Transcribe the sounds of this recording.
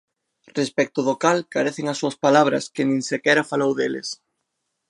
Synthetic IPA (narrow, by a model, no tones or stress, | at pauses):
respɛk̚t̪ʊðʊkalkaɾeθeŋɐsːuɐspalaβ̞ɾɐ̰skɪnĩŋsekɛɾɐfalowðelɪ̰s